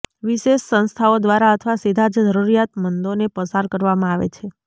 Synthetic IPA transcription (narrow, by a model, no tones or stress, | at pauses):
ʋiʃeʃsə̃nst̪ʰaod̪ʋaɾaət̪ʰəʋasid̪ʱad͡ʒəd͡ʒəɾuɾijat̪mənd̪onepəsaɾkəɾʋamãaʋḛt͡ʃʰe